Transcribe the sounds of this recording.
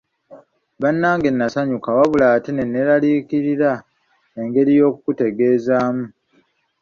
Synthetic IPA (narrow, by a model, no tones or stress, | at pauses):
βanːaːŋɡe̞nːasaɲukawaβulatine̞nːeɾaliːkiɾiɾa | e̞ŋɡe̞ɾijo̞ːkukute̞ɡe̞ːzaːmu